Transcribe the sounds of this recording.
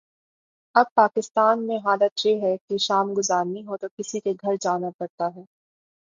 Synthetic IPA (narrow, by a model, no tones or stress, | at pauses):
ɐb̚paːkɪst̪aːnmẽɦaːlət̪jeɦɛkeʃaːmɡʊzaːɾnĩɦot̪okɪsikeɡʱɐɾd͡ʒaːnapɐɾt̪aɦɛː